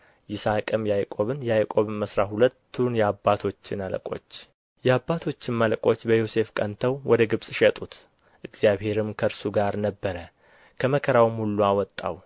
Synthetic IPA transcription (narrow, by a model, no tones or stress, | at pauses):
jɪsakʼəmjajkʼo̞βɨnjɛajkʼo̞βməsɾaɦulət̪ʰːunjɛabːat̪ʰo̞t͡ʃːɪnalə̰kʼo̞̰t͡ʃː | jɛabːat̪ʰo̞t͡ʃːɪnməlkʼo̞t͡ʃːbəjo̞se̞fkʼənt̪ʰəwwʔɔd̪əɡɨβsʼʃɛt̪ʼut̪ | ʔɨɡzjaβhe̞ɾɨmkʰəɾsuɡaɾnəbːəɾə | kʰəməkʰəɾawmhulːuawɔt̪ʼːa̰w